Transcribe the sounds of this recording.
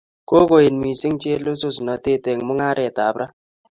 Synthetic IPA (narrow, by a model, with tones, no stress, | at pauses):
ko˦ko˨jɪ˨nmi˨si˦ŋt͡ʃe˦lo˦so˦su˨nɔ˨te˦˨te˨ŋ˨mʊ˦ŋa˦ɾɛ˨ta˨˦bɾʔa˦